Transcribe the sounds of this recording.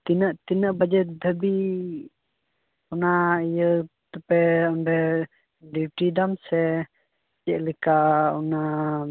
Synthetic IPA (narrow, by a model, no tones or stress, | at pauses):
t̪inəʔt̪inəʔbad͡ʒɛt̪̚d̪ʱəbi | ɔnaijət̪əpɛɔmbɛ | diwʈidamsɛ | d͡ʒɛʔlikaɔ̰na